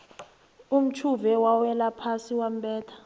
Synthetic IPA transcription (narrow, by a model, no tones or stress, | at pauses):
um̩t͡ʃʰuvɛwawɛlapʰasiwam̩ɓɛːtʰḁ